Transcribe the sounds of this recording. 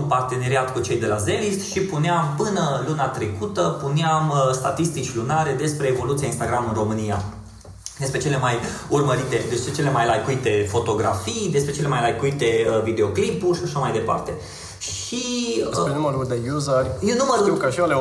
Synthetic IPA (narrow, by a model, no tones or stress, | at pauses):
npart̪e̞ne̞ɾiat̪kut͡ʃe̞jd̪e̞laze̞list̪ʃipuneampɨnəlunat̪ɾe̞kut̪əpuneaməst̪a̰t̪ist̪it͡ʃʲlunaɾe̞d̪e̞spɾe̞ːvo̞lut̪siainst̪aɡɾamɨnro̞mɨnia | d̪e̞spɾe̞t͡ʃe̞le̞majurməɾit̪e̞d̪e̞spɾet͡ʃe̞le̞majlajkuit̪e̞fo̞t̪o̞ɡɾa̰fijd̪espɾe̞t͡ʃele̞majlajkuit̪e̞əvid̪eo̞klipurʲʃaʃamajd̪e̞pa̰rt̪e̞ | ʃ | ienuməɾuld̪ejuzərʲjenuməɾuiwkəʃale